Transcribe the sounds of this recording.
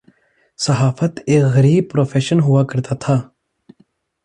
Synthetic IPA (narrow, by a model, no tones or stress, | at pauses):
sɐɦaːfət̪eːkɣɐɾiːb̚pɾoːfʰeːʃənɦʊwaːkəɾt̪aːt̪ʰaː